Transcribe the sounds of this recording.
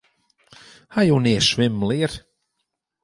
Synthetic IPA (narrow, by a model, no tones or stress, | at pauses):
hajowneːʃwɪmliːr